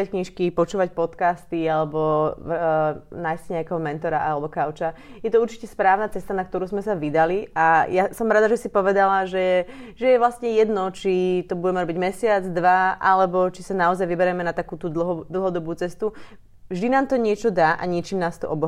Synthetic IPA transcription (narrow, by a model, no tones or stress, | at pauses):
ackɲiʃkipɔt͡ʃuːʋac̚pɔt̪kaːst̪ialɛbɔ | naːjsɲɛakɛɦɔmɛnt̪ɔɾaʔalɛbɔkaʊt͡ʃajɛt̪ɔuɾt͡ʃi̥cɛspɾaːʊnat͡sɛst̪anakt̪ɔɾuːzmɛsaʋid̪aliajasɔmɾad̪aʒɛsipɔʋɛd̪alaʒɛʒɛjɛʋlasɲɛjɛd̪nɔt͡ʃit̪ɔbuɟɛmɛɾɔbiɟmɛsɪad͡zd̪ʋaʔalɛbɔt͡ʃisanaɔzajʋibɛɾɛmɛnat̪akuːt̪uːd̪l̩ɦɔd̪l̩ˠɦɔd̪ɔbuːt͡sɛst̪u | vʒd̪inaːmt̪ɔɲɪɛt͡ʃɔd̪aːʔa̰ɲɪɛt͡ʃiːmnaːst̪ɔʔɔbɔ